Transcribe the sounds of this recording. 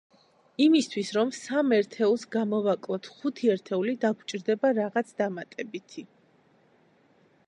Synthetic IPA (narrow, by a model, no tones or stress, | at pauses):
imist̪ʰwisɾɔmsamɛɾt̪ʰɛulˠsɡamɔvakʼlˠɔt̪ʰχut̪ʰiɛɾt̪ʰɛulid̪aɡʰt͡ʃʼiɾd̪ɛbaɾaʁat̪sʰd̪amat̪ʼɛbit̪ʰi